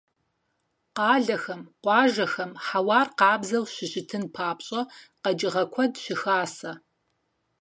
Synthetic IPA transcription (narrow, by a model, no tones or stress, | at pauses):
qɑːɮɐxɐmqʷɑːʒɐxɐmħawɑːrqɑːbzɐlɕɪɕɪtʰɨnpʰaːpɕʼɐqɐd͡ʒɪʁɐkʷʰɔdɕɪxaːsɐ